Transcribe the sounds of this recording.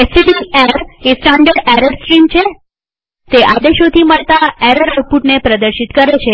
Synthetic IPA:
esiɖieɾesʈaɳɖəɾɖɛɾəɖsʈɾimt͡ʃʰe | t̪eʔad̪eʃot̪ʰiməɭt̪aɛɾəɾəpuʈnepɾəd̪əɾʃit̪kəɾet͡ʃʰe

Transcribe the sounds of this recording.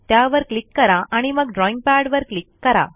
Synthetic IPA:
t̪jaʋəɾklikːəɾaʔaɽ̃iməɡɖɾɔiŋɡ̚paɽʋəɾklikːəɾa̰

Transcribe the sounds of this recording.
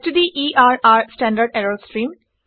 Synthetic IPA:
ʈud̪iʔiːʔaːɾaːɾsʈæ̃ːɳɖəɾɖɛɾəlsʈɾĩːm

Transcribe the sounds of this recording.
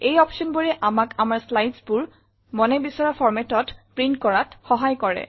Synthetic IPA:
ejɔpʃɔnboɹɛʔamakamaɹslajdsbʊɹ | mɔnɛbisɔɹapʰɔɹmɛtɔtpɹintkɔɹatxɔɦajkɔɹɛ̰

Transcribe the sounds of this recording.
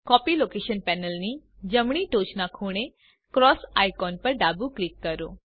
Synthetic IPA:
kɔːpiloːkeːʃənpɛːnəlni | d͡ʒəmɳ̃iʈoːt͡ʃnakʰuːɽ̃e | kɾɔːsa̰ːjkɔːnpɐɾɖaːbuklikːəɾoː

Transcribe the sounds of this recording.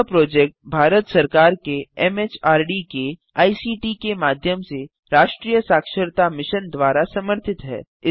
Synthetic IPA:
pɾoːd͡ʒɛːk̚ʈ̚bʱaːɾət̪sɐɾkaːɾkeɛmeːt͡ʃaːɾɖike | aːisiːʈikemaːd̪ʱjəmse | ɾaːʃʈɾiːjəsaːkʃəɾt̪amɪʃənd̪ʋaːɾasɐməɾt̪ʰɪt̪ɦɛ̰ː | ɪ

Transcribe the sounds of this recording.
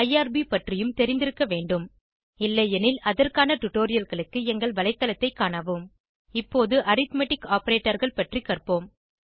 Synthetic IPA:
ɐjaːɾbipɐʈrɪjɯmt̪ɛɾɪnd̪ɪɾɯkːɐʋeːɳɖɯm | ɪlːɐjɛnɪlɐðɐrkaːnɐʈʊʈoːɾɪjɐlɣɐɭɯkːɯɛŋɡɐɭʋɐlɐɪt̪ːɐlɐt̪ːɐɪkːaːnɐʋɯm | ɪpːoːðɯʔɐɾɪt̪mɛʈɪkːaːpɐɾeːʈːɐɾɣɐɭpɐʈrikːɐrpoːm

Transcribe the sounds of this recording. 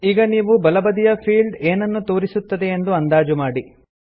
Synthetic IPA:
iːɡɐniːʋubɐlɐbɐd̪ijɐpʰiːɭɖeːnɐnːut̪o̞ːɾisut̪ːɐd̪e̞ːnd̪uɐnd̪aːd͡ʒumaːɽi

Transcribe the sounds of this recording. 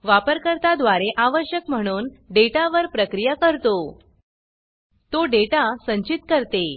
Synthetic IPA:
ʋapəɾkəɾt̪ad̪ʋaɾeʔaʋəɕjəkm̤əɽ̃uːnɖeʈaʋəɾpɾəkɾijakəɾt̪o | t̪oɖeʈasəɲt͡ɕit̪kəɾt̪e

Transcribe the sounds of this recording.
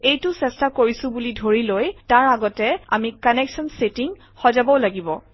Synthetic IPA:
ejtʊsɛstakoɹisʊ̃bulidʱoɹilojtaɹaɡɔtɛa̰mikanɛksɔnsetiŋ | xɔzabɔʊlaɡibɔ

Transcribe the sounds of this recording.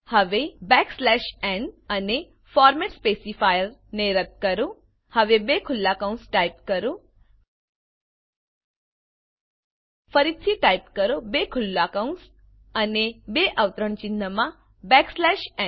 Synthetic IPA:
həʋebɛkslɛʃɛnəne | fɔɾmɛʈspesifajəɾneɾət̪̚kəɾũ | həʋebekʰʊlːakaũnsʈaipkəɾũ | fəɾit̪ʰiʈajpkəɾobekʰʊlːakauns | ənebeʔəʋt̪ɾəɳt͡ʃinəmã | bɛkslɛʃɛ

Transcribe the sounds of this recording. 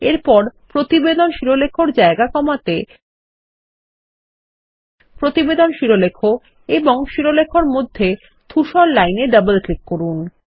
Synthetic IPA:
eɾpɔɾpɾot̪ibed̪onʃiɾolekʰoɾd͡ʑaeɡakɔmat̪e | pɾot̪ibed̪onʃiɾolekʰo | eboŋʃiɾolekʰoɾmod̪ʱːe | t̪ʰuʃɔllajneɖəbəlklikːoɾun

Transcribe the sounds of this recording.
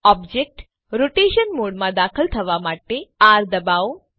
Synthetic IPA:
ɔbd͡ʒek̚ʈ | ɾoʈeʃənmoɽmãd̪akʰəlt̪ʰəʋamaʈeaɾd̪əbao

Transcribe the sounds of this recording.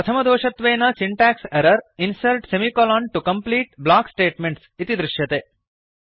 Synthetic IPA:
ɐt̪ʰɐmɐd̪oːʃɐt̪ʋeːnɐsiɳʈaːksɛɾɐɾinsɐlʈsemikolaːnʈukɐmpliːʈblaːksʈeːʈmeɳʈsit̪id̪ɾɪʃjɐt̪eː

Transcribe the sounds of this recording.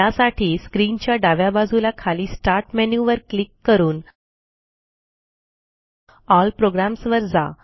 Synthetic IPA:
asaʈʰiːskɾiːnt͡ɕjaɖaʋjabad͡zʱulakʰaliːsʈaɾʈmɛnjuʋəɾklikːəɾuːn | ɔlpɾoɡɾamsʋəɾd͡za̰

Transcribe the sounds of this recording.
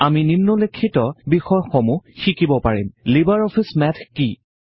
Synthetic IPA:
aminimnɔlekʰːitɔbixɔjxɔmuxikibɔpaɹimlibaɹɔpʰismɛtʰki

